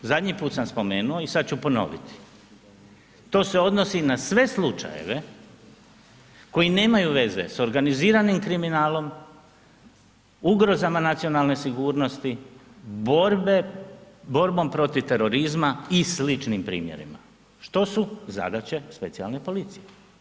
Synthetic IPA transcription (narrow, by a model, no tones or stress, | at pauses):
zad̪ʲɲipuːt̪samspo̞me̞ːnuo̞isad̪̚t͡ɕupo̞no̞̰ʋḭt̪i̥ | t̪o̞ːse̞o̞d̪no̞sinasʋe̞slˠut͡ʃa̰jḛʋe | ko̞ine̞ːmajuʋe̞zḛso̞ɾɡaniziːɾanimkɾiminaːlo̞m | uɡɾo̞zamanat̪sijo̞nalˠne̞siɡuːɾno̞st̪iboɾbe | bo̞ɾbo̞ːmpɾo̞t̪iʋt̪e̞ɾo̞ɾizmaislit͡ʃnimpɾḭːmje̞̰ɾḭma̰ | ʃt̪o̞suza̰d̪at͡ɕe̞spe̞t̪sia̰lne̞po̞lit̪sije